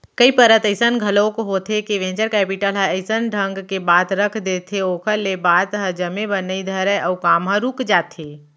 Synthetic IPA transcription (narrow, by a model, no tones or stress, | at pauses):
kəipəɾət̪əɪsənɡʱəlõkɦot̪ekiʋẽːnt͡ʃəɾkɛːpiʈəlɦəəɪsənɖʱə̃ŋɡkebaːt̪ɾəkʰd̪et̪ʰeokʰəlebaːt̪ɦə̃d͡ʒəmebənəid̪ʱəɾəʔəukaːmɦə̃ɾuːkd͡ʒaːt̪eː